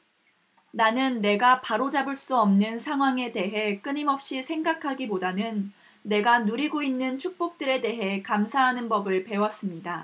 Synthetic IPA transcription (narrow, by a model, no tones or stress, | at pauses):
nanɯnːe̞ɡapaɾod͡ʑabɯɭs͈uʌmnɯnsʰaŋɦwaŋe̞de̞ɦe̞k͈ɯɲimʌp̚ɕ͈isʰe̞ŋɡakʰaɡipodanɯnː | e̞ɡanuɾiɡoinːɯnt͡ɕʰuk̚p͈ok̚t͈ɯɾe̞de̞ɦe̞kamsʰaɦanɯnbʌbɯɭpe̞was͈ɯmɲida